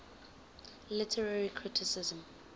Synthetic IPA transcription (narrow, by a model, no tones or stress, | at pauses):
lɪtʰɛɹaɹikʰɹɪtʰɪsɪzə̃m